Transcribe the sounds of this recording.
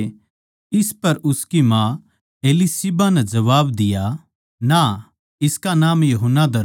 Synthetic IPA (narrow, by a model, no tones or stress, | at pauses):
ɪspɐɾʊskimã | eːlisibanɛd͡ʒɐʋaːbd̪ɪja | na | ɪskanaːmjɐɦʊnːad̪ɐɾ